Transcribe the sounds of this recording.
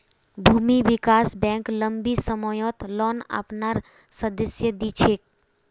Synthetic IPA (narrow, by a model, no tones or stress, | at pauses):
bʱumiʋikaːsbɛ̃ŋkləmbisəmɔjɔt̪lɔːna̰pnaɾ | səd̪əsjəd̪it͡ʃʰek̚